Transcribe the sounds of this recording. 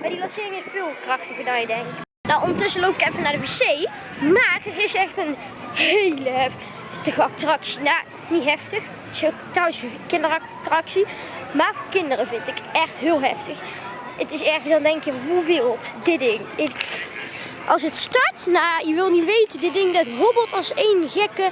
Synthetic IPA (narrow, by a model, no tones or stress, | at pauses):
maːdilɑnsɪːrɪŋɪsfɪːlˠkrɑxtəɣəɹdɑnjədɛŋk | naʔɔndəɹtɵsəlowpɪ̥kɛfənaːɹdəbesej | maːrətɪsɛxtən | ɦejlə | təɣəɑp̚trɑksina | nitɦɛftəx | ətɪ̥so | trɔwəskɪndərɑ | trɑksi | maːɹvoːɹkɪndərəvɪntɪkə̥tɛxtɦɪːlˠɦɛftəx | ətɪsɛɹɣəsdɑndɛŋkjəʋuʋɪlˠtdɪdɪŋɪk | ʔɑ̰lˠs̬ətstɑɹtnajəʋɪlˠniʋejtədɪdɪŋdɑtɦobəlˠtɑlˠsejnɣɛkə